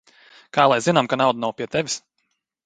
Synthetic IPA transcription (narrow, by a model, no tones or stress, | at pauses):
kaːlˠajzinamkanawd̪anawpʲiɛt̪ɛvʲis